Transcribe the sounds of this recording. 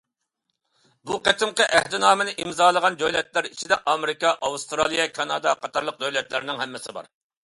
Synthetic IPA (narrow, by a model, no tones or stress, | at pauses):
buqæt̪ɪmqəʔæhd̪ɪnɑːmɨnɪʔimzɑːlˠəʁɑnd͡ʒojlɛt̪læɾit͡ʃʰid̪ɛʔɑmeɾɪkɑʔɑwust̪ɾɑlˠijɑkʰɑnɑd̪ɑqʰɑt̪ɑɾlˠəq̚d̪ojlɛt̪lɪɾɪnɪŋhɛmːɪsɪbɑ̰ɾ